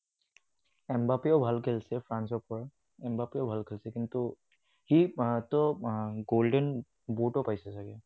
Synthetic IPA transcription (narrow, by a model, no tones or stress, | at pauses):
ɛmbapiɔʊbʱalkʰelsɛpʰɹansɔpɔɹa | ɛmbapiɔbʱalkʰelsɛkintʊ | hitɔɡoldɛn | botɔpajsɛsaɡia